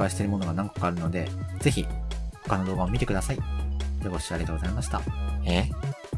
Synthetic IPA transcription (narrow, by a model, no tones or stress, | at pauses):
kaiɕi̥t̪e̞ɾɯ̟mo̞no̞ɡanãŋkḁkaːɾɯ̟no̞d̪e̞d͡ze̞çiho̞kano̞d̪o̞ːɡaomʲit̪e̞kɯ̟d̪asaijoɡoɕiaɾʲiet̪oɡo̞zaimaɕi̥t̪a̰e